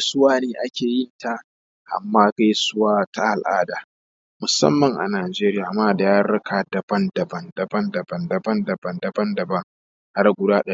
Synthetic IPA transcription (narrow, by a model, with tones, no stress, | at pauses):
sʊ˦waː˦neː˨ʔa˦kʲeː˨jɪ˦nta˨ | ʔa̰˨mːaː˦ka˦jsʊ˦waː˦ta˦ʔa˨lʔa̰ː˦daː˨ | mʊ˨sɐ̰˦mːɐ˨ŋʔa̰˨naː˨d͡ʒeː˦ɾɪ˦jaː˨maː˦da˨jaː˦ɾɐ˦kʰaː˨dɐ˨b̥ɐ˦ndɐ˨bɐ˦ndɐ˨bɐ˦ndɐ˨bɐ˨ndɐ˨bɐ˦ndɐ˨bɐ˦ndɐ˨bɐ˦ndɐ˨bɐ˦ŋ | ha˦rɡʷʊ˦daː˦ɗɐ˦